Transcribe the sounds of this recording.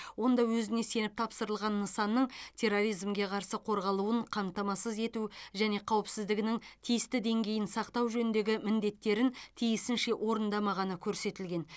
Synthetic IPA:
wo̞nd̪ɑwɵzɪne̞se̞nɪp̚t̪ʰɑpsəɾəlˠʁɑnːəsɑnːəɴt̪ʰe̞ro̞ɾijzmɡʲe̞qʰɑɾsəqʰo̞ɾʁɑlˠuəɴqʰɑmt̪ɑmɑsəze̞t̪uʒæne̞qʰɑwəpsɪzd̪ɪɡʲɪnɪŋt̪ʰijɪst̪ɪd̪e̞ŋɡʲe̞jɪnsɑqt̪ɑwʒɵnɪnd̪e̞ɡʲɪmɪnd̪e̞t̪ːe̞ɾɪnt̪ʰijɪsɪnʃe̞ʔwʔo̞ɾənd̪ɑmɑʁɑnəkʲʰɵɾse̞t̪ɪlɡʲe̞n

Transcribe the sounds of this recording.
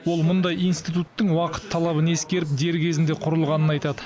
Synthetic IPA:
wo̞lˠmʊnd̪ɑjijnst̪ijt̪ut̪ːəɴwɑqə̥t̪ʰːɑlˠɑβəne̞skʲe̞ɾɪp̚d̪e̞ɾkʲʰe̞zɪnd̪e̞qʰʊɾəlˠʁɑnənɑjt̪ɑd̪ə

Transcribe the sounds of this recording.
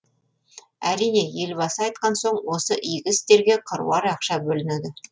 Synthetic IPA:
æɾijne̞je̞lbɑsɑɑjt̪̚qɑnsoɴwo̞səʔijɡʲɪst̪e̞ɾɡʲe̞qʰəɾṵwɑɾɑqʃɑbɵlɪned̪ɪ

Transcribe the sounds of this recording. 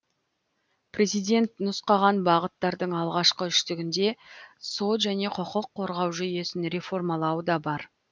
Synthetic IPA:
prʲe̞zijd̪e̞nt̪nʊsqɑʁɑnbɑʁət̪ːɑɾd̪əɴɑlˠʁɑʃqəʏʃt̪ɪɡʲɪnd̪e̞so̞t̪ʒæne̞qʰəqəqʰːo̞ɾʁɑwʒʏje̞sɪnɾe̞fo̞rmɑlˠɑwəd̪ɑbɑɾ

